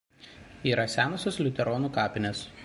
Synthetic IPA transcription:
iːɾɐsʲæːnosʲoslʲʊt̪ʲɛɾɔːnuːkɑːpʲɪnʲes

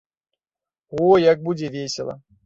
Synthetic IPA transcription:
ojaɡ̚bud͡zʲɛvʲesʲɪlˠɐ̰

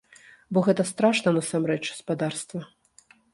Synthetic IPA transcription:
bɔɣɛt̪ɐst̪ɾaʂnɐnɐsamɾɛt͡ʂspad̪arst̪vɐ

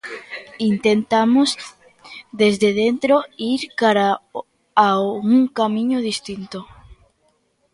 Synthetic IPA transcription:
int̪ent̪amoz | ðezðeðent̪ɾoiɾkaɾa | aɣuŋkamĩɲoð̞ist̪int̪o

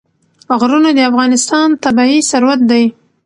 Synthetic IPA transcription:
ɣɾunad̪əafɣɑnɪst̪ɑnt̪abɑisaɾwat̪̚d̪aj

